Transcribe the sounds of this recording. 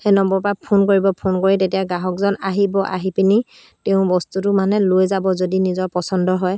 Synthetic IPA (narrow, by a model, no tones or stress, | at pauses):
hɛnɔmbɔpapʰonkoɹibɔpʰonkoɹitetijaɡaɦɔkzɔnaɦibɔʔa̰ɦipini | teʊ̃bɔstutʊmanɛlojzabɔzodinizɔɹpɔsɔndɔɦɔj